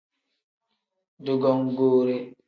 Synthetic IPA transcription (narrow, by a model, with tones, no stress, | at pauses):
du˨ɡɔ˦ŋɡoː˦ɾe˦